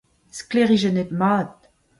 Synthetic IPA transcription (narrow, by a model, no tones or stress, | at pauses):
skleʁiʒɛnet̪maːt̪̚